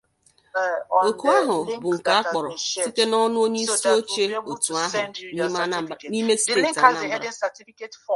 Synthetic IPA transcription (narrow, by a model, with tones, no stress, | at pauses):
o˨ku˨˦a˦ɦʊ˨bʊ˨ŋ̩˨ka˨a˦k͡pɔ˨ɾɔ˨si˦te˦nɔ˦nʊ˦o˦ɲe˦i˦si˦o˦t͡ʃe˦o˨tu˨a˦ɦʊ˨n˦ni˦me˦se˨˦tna˦˨˦